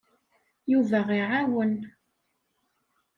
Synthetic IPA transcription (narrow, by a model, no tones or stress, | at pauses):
juvæʁiʕawən